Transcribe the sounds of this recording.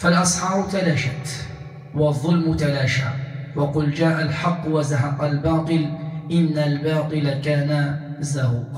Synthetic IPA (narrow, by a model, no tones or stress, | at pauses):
falʔɑsˤħɑːɾt̪alaʃat̪ | wɑðˤːʊlmʊt̪alaːʃa̰ːwɑqʊld͡ʒaːʔalħɑqːwazaɦɑqalbɑːt̪ˤɨlʔɪnːalbɑːt̪ˤɨlakaːnazawq